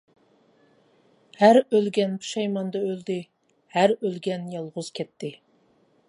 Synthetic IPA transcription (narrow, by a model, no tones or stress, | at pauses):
hæɾølɡʲɛnpʰu̥ʃɑjmɑnd̪ɑøld̪ɪ | hæɾølɡʲɛnjɑlˠʁʊz̥kʲʰɛt̪ʰːɪ